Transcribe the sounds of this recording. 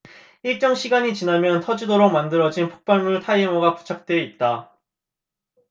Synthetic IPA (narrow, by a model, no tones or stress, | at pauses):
iɭt͡ɕ͈ʌŋɕʰiɡaɲit͡ɕinamjʌntʰʌd͡ʑidoɾomandɯɾʌd͡ʑinpʰo̥k̚p͈aɭmuɭtʰaimʌɡapu̥t͡ɕʰak̚t͈we̞it̚t͈a